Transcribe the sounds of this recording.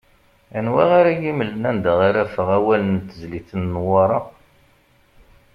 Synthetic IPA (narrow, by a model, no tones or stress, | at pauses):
ænwæʁaɾajiməlːənænd̪əʁaɾæfəʁæwælənt̪ːəzliθənːwɑɾˤɑ